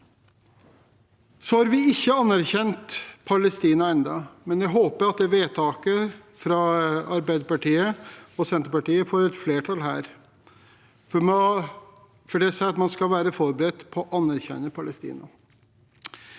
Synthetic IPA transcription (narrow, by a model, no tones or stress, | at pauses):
sɔhɑɾʋɪɪçːəɑnːæɾçɛnt̪pʰɑləst̪iːnɑɛnd̪ɑmɛnjæɦoːpəɾɑt̪̚d̪ɛʋeːt̪ʰɑːkə | fɾɑɑɾbæɪd̪əpɑʈiːəɔsɛnt̪əɾpɑʈiːəfoːɾɛt̪fleːʈʰɑlɦæ̰ːɾ | fɔm | fɔɖɛːsæɪɑt̪mɑnskɑlʋæːɾəfɔɾbəɾɛt̪ːpʰɔːʔɑnːæɾçɛ̰nːəpʰɑləst̪ḭːnɑ